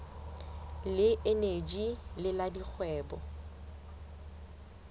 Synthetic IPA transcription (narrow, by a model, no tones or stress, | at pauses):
lɪʔened͡ʒilɪladik͡xʰwɛːbɔ